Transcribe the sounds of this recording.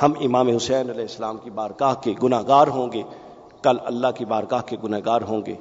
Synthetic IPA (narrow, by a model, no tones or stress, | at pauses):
hɐmɪmaːmeɦʊsɛːnɐlɛːɪsːəlaːmkibaːɾɡaːɦkeɡʊnaːɦɡaːɾɦõːɡeː | kɐlɐ̰lːaɦkibaːɾɡaːɦkeɡʊnaːɡaːɾɦõːŋɡḛː